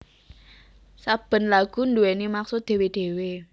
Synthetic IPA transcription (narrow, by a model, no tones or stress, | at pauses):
sab̥ə̤nlaɡ̥ṳnduwenimaksʊt̪̚d̪̥e̤wed̪̥e̤we